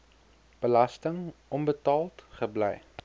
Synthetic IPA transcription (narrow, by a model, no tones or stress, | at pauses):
b̥əlɐstəŋʔɔnbətɑːlˠtχəblɛ̰j